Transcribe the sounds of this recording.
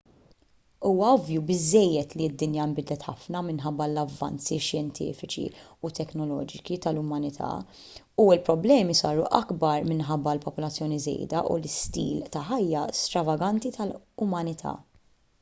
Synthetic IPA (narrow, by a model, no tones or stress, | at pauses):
uːwɐɔvjubɪzːɛjːɛt̪liɪd̪ːɪnjɐmbɪd̪lɛt̪ħɐfnɐmɪnħɐbːɐlɐvːɐ̰nt͡siʃjɛnt̪ʰḭːfɪt͡ʃḭut̪ɛknɔlɔ̰ːd͡ʒɪt͡ʃit̪ɐlʊmɐnɪt̪ʰɐ̰ː | uɪlpɾɔblɛːmisɐːɾuʔɐɡbɐɾmɪnħɐbːɐlpɔpɔlɐt͡sːjɔːnizɛ̰jd̪ɐ̰ʔṵlɪst̪ḭːlt̪ɐħɐjːɐst̪ɾɐvɐɡɐnt̪it̪ɐlʊmɐnɪt̪ʰɐ̰ː